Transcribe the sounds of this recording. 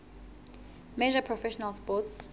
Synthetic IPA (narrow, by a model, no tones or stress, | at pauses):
mɛʒapʰɹɔfɛʃɔnalspɔts